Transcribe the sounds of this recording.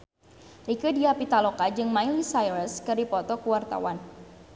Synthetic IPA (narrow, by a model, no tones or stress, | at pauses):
rikədiapit̪alokad͡ʒɨŋmajlisajɾəskɨrdipɔt̪ɔkuwart̪a̰wan